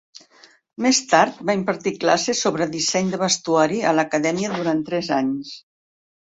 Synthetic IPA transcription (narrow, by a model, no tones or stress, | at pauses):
mest̪aɾt̪̚baimpəɾt̪iklasesoβɾəðisɛɲd̪əβəst̪uaɾiələkəðɛmiəðuɾant̪ɾɛzaɲs